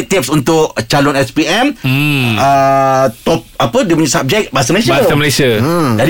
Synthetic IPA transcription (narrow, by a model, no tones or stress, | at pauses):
k̚t̪ip̚sunt̪ʊʔt͡ʃalɔnɛspiɛm | ət̪ɔp̚apədiəpuɲĩsab̚d͡ʒɛk̚baɦasaməlasiaaaməlasiad͡ʒad